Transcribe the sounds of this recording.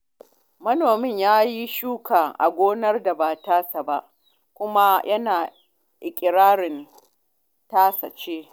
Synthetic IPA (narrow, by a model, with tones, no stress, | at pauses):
mɐ˦noː˨mɪ˦ɲjaː˦ji˦ʃuː˦kaː˨ʔa̰˨ɡʷoː˦nɐ˦rda˨ba˨taː˦sa˨ba˦˨ʔ | kʷʊ˦ma˦jʔɐ˦naː˨ | ʔɪ˨kʲʼɪ˨ɾaː˦ɾɪ˨n | taː˦sɐ̰˨t͡ʃeː˦